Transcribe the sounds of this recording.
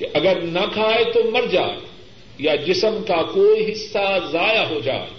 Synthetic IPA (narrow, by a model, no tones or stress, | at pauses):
kɪʔɐɡəɾnɐkʰaːet̪oːmɐɾd͡ʑa̰ː | jad͡ʑɪsəmkakoːiɦɪsːazaːjaɦod͡ʒa̰ː